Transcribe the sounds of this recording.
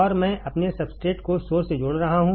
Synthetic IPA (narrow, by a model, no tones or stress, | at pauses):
ɔːɾmɛ̃ːʔɐpnesɐbsʈeːʈkosoːɾsed͡ʒoːɽɾɐɦaɦũː